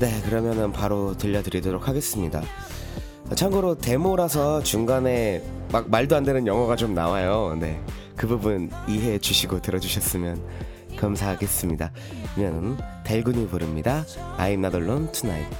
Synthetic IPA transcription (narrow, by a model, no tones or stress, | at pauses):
ne̞kɯɾʌmjʌnɯnpaɾotɯʎːʌdɯɾidoɾokʰaɡe̞s͈ɯmɲida̰ | ʌt͡ɕʰaŋɡɯɾote̞moɾasʰʌt͡ɕuŋɡane̞ | mak̚maɭdoɦandɯnɯnjʌŋwʌɡat͡ɕomna̰wajone̞ | kɯbubuniɦe̞t͡ɕuɕʰiɡotɯɾʌd͡ʑuɕʰʌs͈ɯmjʌn | kamsʰaɦaɡe̞s͈ɯmɲida | imjʌnɯnte̞ɭɡuɲipoɾɯmɲidaa̰imnadoɭːontʰunaim